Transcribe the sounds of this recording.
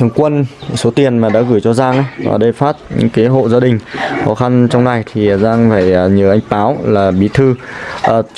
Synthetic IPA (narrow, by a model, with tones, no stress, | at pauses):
t̪ʰɨ˧˩əŋkwə˧nso˨˦t̪i˨˩ənmaː˨˩ɗa̰ː˧˥ɣɨː˧˩jt͡ɕɔ˧zaː˧ŋʔa˦va̰ː˨˩ɗə˧jfaː˦˥t̚ɲɨ̰˧˥ŋkaː˨˦jɦo̰˧˨zaː˧ɗï˨˩ŋ̟xɔ˨˦xa˧nt͡ɕɔ˧wŋ͡mna˨˩jt̪ʰi˨˩˨zaː˧ŋfaː˧˩jɲɨ˨˩ʔa˧jŋ̟paː˨˦wlaː˨˩ɓi˨˦t̪ʰɨ˧ʔəː˨˩